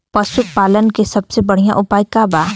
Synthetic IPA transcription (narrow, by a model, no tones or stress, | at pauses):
pɐsʊk̚paːlənkesɐbsebɐɽ̤ijã̰ʔʊpaːjkaːbaː